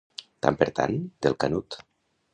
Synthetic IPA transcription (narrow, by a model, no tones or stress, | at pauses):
t̪a̰mpeɾt̪a̰nd̪̥elˠkanut̪